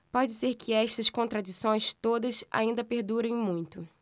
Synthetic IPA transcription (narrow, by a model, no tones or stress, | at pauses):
pɔd͡ʒɪseɾkʰɪɛʃt̪ɐskõnt̪ɾad͡ʒisõj̃st̪od̪ɐsa̰ĩnd̪ɐpeɾd̪uɾẽj̃mũj̃t̪ʊ